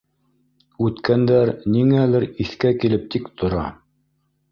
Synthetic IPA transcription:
ʉt̪kænd̪æɾniŋælɘɾiθkækilɘp̚t̪ikt̪ʰŏɾɑ̰

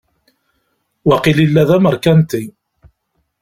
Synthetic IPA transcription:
waqililːæðæməɾkænt̪i

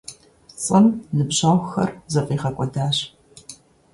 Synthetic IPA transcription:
t͡sʼɨmnɨbɕaːwxɐ̰rzɐfʼiːʁɐkʷʼɔdaːɕ

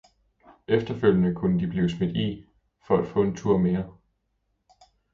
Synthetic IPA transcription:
efd̥ɐføl̰jənəkʰunəd̥ib̥liːʊsmed̥i | fɒ̽æd̥fɔ̰̽ːe̝nt͡sʰuɐ̰me̝ːɐ

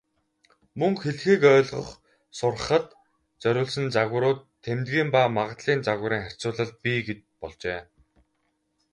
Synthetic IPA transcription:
mɵŋxeɮxiːkœːɮʁə̆χ | sʊrəχə̆t̪ | t͡sœɾʲʊːɮsɘ̆nt͡saɣə̆ɾʊːt̪ʰːemt̪ɡiːmpamaʁə̆t̪ɮiːnt͡saɣə̆ɾiːŋχær̥ʲt͡sʊːɮə̆ɮ̚piɡet͡ɕ̚ | pɔɮt͡ɕeː

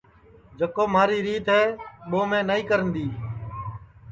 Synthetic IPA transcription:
d͡ʒəkoːmaːɾiːɾiːt̪ɦɛːɓoːmẽːnəĩːkəɾənd̪iː

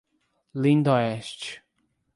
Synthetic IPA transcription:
lĩnd̪ɔɛst͡ʃ

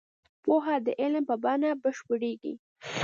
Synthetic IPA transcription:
poɦad̪əʔɪlmpəbɑnabəʃpəɽeɡḭ

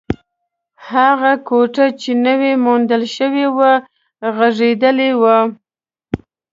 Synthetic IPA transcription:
haɣakoʈat͡ʃenəwemond̪əlʃəwewa | ɣaʐed̪əlewə

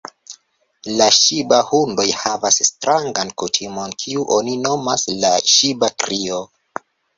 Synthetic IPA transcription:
laʃibahundo̞jhavasːtɾaŋɡankutʰimo̞nkʰiuʔo̞nino̞maslaʃibakɾio

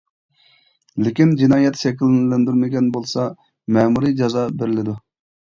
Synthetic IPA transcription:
lɪkʲind͡ʒinɑːjɛt̪ʃɛkʲʰilnlɛnd̪yɾmɪɡʲɛnbolˠsɑ | mɛmuɾid͡ʒɑzɑbeɾɪlɪd̪u

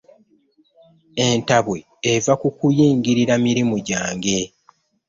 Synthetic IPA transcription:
e̞ntaβwe̞ːvakukujiːŋɡiɾiɾamiɾimuɟaːŋɡe̞

